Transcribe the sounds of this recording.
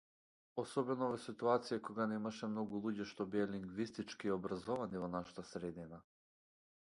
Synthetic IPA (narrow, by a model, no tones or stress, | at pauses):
ɔsɔbɛnɔvɛsit̪uat̪sijakɔɡanɛmaʃɛmnɔɡulˠuɟɛʃt̪ɔbiɛliŋɡvist̪it͡ʃkiːɔbɾazɔvanivɔnaʃḁt̪asɾɛd̪ina